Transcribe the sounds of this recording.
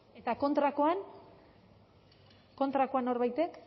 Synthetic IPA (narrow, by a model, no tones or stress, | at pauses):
e̞t̪ako̞nt̪ɾakoan | ko̞nt̪ɾako̞ano̞ɾβajt̪e̞k